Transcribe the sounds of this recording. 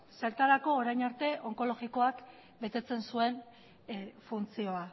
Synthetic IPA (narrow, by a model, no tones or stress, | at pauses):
se̞ɾt̪aɾako̞ːɾajɲaɾt̪e̞ʔo̞ŋko̞lo̞ɣiko̞ak | be̞t̪e̞t͡se̞nsue̞n | funt͡sio̞a